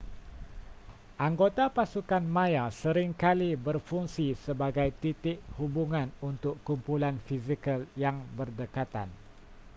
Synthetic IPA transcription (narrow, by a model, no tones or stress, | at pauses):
ʔaŋɡot̪apasukanmãjasəɾɪŋkalibərfuŋsisəbaɡajt̪it̪ɪʔ̚hubuŋãnunt̪ʊkːumpulanfizikəljaŋbərdəkat̪a̰n